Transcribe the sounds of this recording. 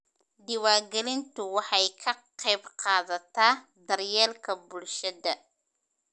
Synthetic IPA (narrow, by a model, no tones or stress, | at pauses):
d̪ɪwaːɡɛlɪnt̪ʰʊwɑħɑjkʰɐqɛjbqɑːðɐt̪ʰaːd̪ɐrjɛːlkʰɐbʊlʃɐðɐ